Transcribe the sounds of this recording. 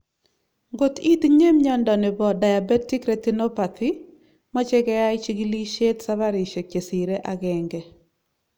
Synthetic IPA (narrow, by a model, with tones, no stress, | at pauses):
ŋɡo˨ti˦t̪ɲe˦mɲɔ˦ndɔ˨nɪ˨bɔ˨da˨ja˨bɛ˦ti˦kɾɛ˨t̪i˦nɔ˦pa˨t̪ʰi˦ | ma˦t͡ʃɛ˦ɡɛ˦ja˦ɪ˦t͡ʃi˦ɡi˦li˦ʃe˦tsa˦βa˦ɾɪ˨ʃe˨ke˨si˨ɾe˦ʔa˦ɡɛ˨ŋɡɛ˨